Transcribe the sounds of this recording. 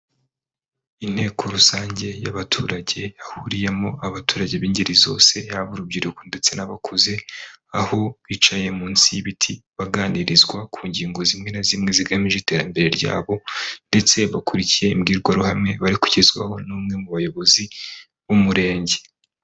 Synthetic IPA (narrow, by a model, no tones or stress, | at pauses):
in̥he̞ːkʰo̞ɾusaːɲɟe̞jaβatʰuːɾaɟe̞jahuɾije̞mo̞ʔaβatuːɾaɟe̞βiːɲɟiɾizo̞̰ːse̞jaβuɾubɟiɾukonde̞t͡se̞naβakʰuze̞aho̞βit͡ʃaje̞muːnsijβitʰiβaɡaːniɾizɡwakʰuːɲɟiːŋɡo̞zimŋenazimŋe̞ziɡamiʒete̞ːɾambe̞ɾe̞ɾɟa̰ːβo̞nde̞t͡se̞βakuɾicije̞imɡiːɾɡwaɾuhamŋe̞βaɾiku̥ɟezɡwa̰ho̞nuːmŋe̞muβajo̞βo̞zi | βumuɾe̞ːɲɟe